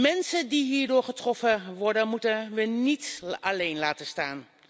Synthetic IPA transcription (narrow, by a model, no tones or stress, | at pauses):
mɛnsəndiɦiːɹdʊːɹχətrɔfəʋɔɹdənmutəʋənitalejnlaːtəstaːn